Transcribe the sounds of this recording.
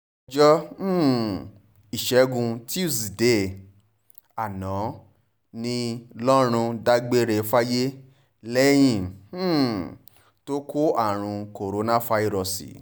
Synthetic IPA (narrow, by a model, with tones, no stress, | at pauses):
d͡ʒɔ˦˨ | i˨ʃɛ˨˦ɡũ˧ti˦u˦˨si˨de˦ | a˨nɔ̃˨˦ | nĩ˧lɔ˦ɾ̃ũ˧da˧ɡ͡be˦ɾe˧fa˦je˦ | lɛ˦j̃ĩ˦˨˦ | to˦ko˦a˦˨ɾ̃ũ˧ko˨ɾo˨˦nã˦fa˧i˧ɾɔ˨sḭ˨